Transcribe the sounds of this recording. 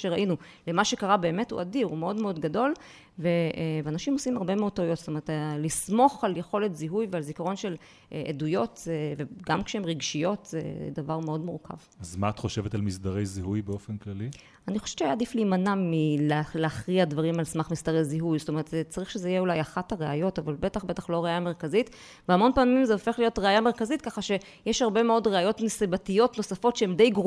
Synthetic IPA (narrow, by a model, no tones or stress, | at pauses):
ʃeʁaʔinu | lemaʃekaʁabe̞ːmethṵʔadiʁume̞o̞dmeo̞dɡado̞l | veveanaʃimo̞simaʁbe̞meod̚t̪aujo̞t̪st̪ome̞ʁetlismo̞χaljeχo̞letziɦujvealzikaʁo̞nʃe̞l | ʔʔedujo̞tveɡamkʃehemʁiɡʃijo̞tḛdavaʁmeo̞dmuʁkʰa̰vazmaːt̪χo̞ʃe̞vetalmisdaʁejziɦujbeo̞fenklali | aniχoʃev̥t͡ʃeajaːdiflimanamːilleaχʁiadvaʁimalsmaχmisd̪aʁe̞jziɦujzotome̞ʁet̪zet͡saʁiχʃezeijeulajaχathaʁeajo̞tavalbe̞t̪aχbe̞t̪aχlo̞ʁeajameʁkazit | veamo̞npaːmimzeofe̞χlijo̞tʁeajameʁkazit̚kaχaʃe̞ | jeʃhaʁbe̞meo̞dʁeajo̞tmesibatijo̞tno̞safo̞tʃeemd̪e̞jɡʁ